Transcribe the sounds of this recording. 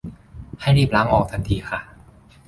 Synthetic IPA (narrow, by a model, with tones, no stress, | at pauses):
ha˥˩jɾiː˥˩p̚laː˦˥ŋʔɔː˨˩k̚t̪ʰa˧nt̪ʰiː˧xʰa˥˩